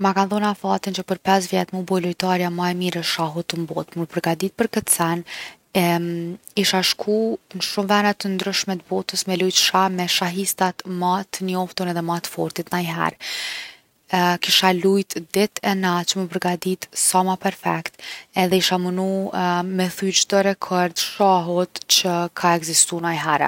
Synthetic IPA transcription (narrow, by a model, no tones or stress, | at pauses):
makanθɔnafat̪int͡ʃəpəɾpɛs̬vjɛt̪mubɔlujt̪aɾjamaɛmiɾɛʃaɦut̪əmbɔt̪məpəɾɡad̪it̪̚pəɾkət̪sɛn | ɛ | iʃaʃkʰunəʃumvɛnat̪ənd̪ɾyʃmɛt̪bɔt̪əsmɛlujt̪ʃamɛʃaɦist̪at̪mat̪ənɔft̪unɛðɛmat̪fɔɾt̪it̪najɦɛ̰ɾ | kiʃalujt̪d̪ɛt̪ʰɛnat͡ʃəməpəɾɡad̪it̪samapɛɾfɛkt̪ɛðɛiʃamənumɛθyd͡ʑd̪ɔɾɛkʰɔɾd̪ʃaɦut̪t͡ɕəkʰaɛɡzist̪unajɦɛɾɛ̰